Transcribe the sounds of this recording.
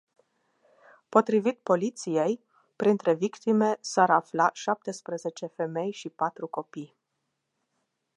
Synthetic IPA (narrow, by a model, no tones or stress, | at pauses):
po̞t̪ɾivit̪po̞lit̪sije̞j | pɾint̪ɾe̞vikt̪ime̞saɾaflaʃap̚t̪e̞spɾəze̞t͡ʃe̞fe̞me̞jʃipat̪ɾuko̞pij